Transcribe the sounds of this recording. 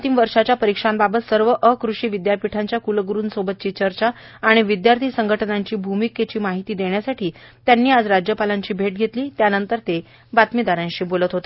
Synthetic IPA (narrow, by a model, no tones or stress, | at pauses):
nt̪iːmʋəɾʂat͡ɕjapəɾikʂambabət̪səɾʋəʔəkɾuʂiːʋid̪japiʈʰaɲt͡ɕjakulɡɾuːnsobət̪̚t͡ɕiːt͡ɕəɾt͡ɕaː | ɽ̃iʋid̪jaɾt̪ʰiːsəŋɡʱəʈʰənaɲt͡ɕiːbʱumiket͡ɕiːmaɦit̪iːd̪eɳjasaʈʰiːt̪janːiːad͡zɾad͡ʑjəpalaɲt͡ɕiːbʱeʈ̚ɡʱet̪liːt̪janənt̪əɾt̪e | bat̪mid̪aɾãɲɕiːbolət̪ɦot̪e